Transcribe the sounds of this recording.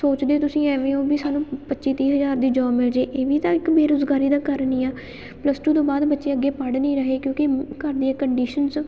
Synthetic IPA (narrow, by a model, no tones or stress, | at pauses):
soːt͡ʃd̪eːt̪ʊsĩːɛːʋẽːõːbiːsaːnũːpətːʃiːt̪iːɦəzaːɾd̪iːd͡ʒɔːmɪld͡ʒeːʔeːʋiːt̪ãːɪkbeːɾoːzɡaːɾiːd̪aːkəɾniːaː | pləsʈuːt̪õːbaːd̪bətːʃeːəɡːeːpəɽnĩːɾəɦeːkjõːkɪkəɾd̪iːɛːkəɳɖiːʃənz